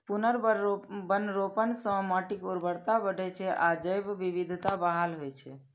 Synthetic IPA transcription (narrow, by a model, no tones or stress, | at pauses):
punəɾbənɾopənsə̃mɔʈikuɾbəɽt̪abəɖʱɛt͡ʃʰɛʔad͡ʒəjbːibid̪ʱt̪abaɦalɦojt͡ʃʰɛ